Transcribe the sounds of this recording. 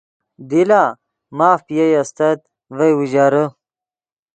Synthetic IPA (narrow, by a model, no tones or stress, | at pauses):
d̪ilaː | maːfpijɐjɐst̪ɐt̪̚ | vɐjwuʑaːɾə